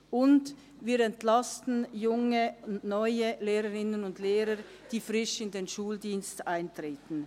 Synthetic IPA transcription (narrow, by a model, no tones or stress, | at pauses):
ʔʊnd | viːɾɛntlastn̩jʊŋənɔʏəleːɾəʁɪnənʊndleːɾə | d̥iːfʁɪʃɪndeːnʃuːldiːnstʔaɪntʁ̥eːtn̩